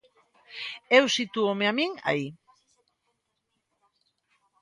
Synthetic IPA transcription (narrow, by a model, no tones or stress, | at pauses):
ewsit̪uomeamiŋa̰i